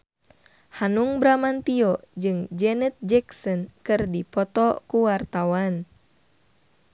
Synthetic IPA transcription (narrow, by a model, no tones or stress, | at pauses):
hanuŋbɾamant̪iɔd͡ʒɨŋd͡ʒɛnɛt̪̚d͡ʒɛksɔnkɨrdipɔt̪ɔkuwart̪awan